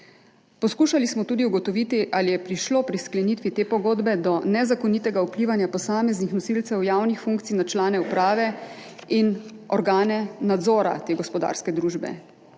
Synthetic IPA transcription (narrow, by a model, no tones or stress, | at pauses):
pɔskuːʃalismɔt̪uːd̪iuɡɔt̪ɔʋiːt̪iʔalijɛpɾiʃloːpɾisklɛnit̪ʋit̪eːpɔɡoːd̪bɛd̪ɔnɛzakɔniːt̪ɛɡaupliːʋanjapɔsaːmɛznixnɔsilt̪sɛwjaːwnixfuŋkt̪sijnat͡ʃlaːnɛupɾaːʋɛinɔɾɡaːnɛnad̪zɔːɾa̰t̪eːɡɔspɔd̪a̰ːɾskɛd̪ɾuːʒbɛ̰